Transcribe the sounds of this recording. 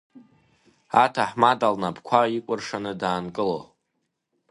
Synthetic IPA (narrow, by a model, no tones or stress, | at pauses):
a̰tʰaħmadalnabʰkʷʰaikʷʼʊrʂanɨdaːnkʼɨlo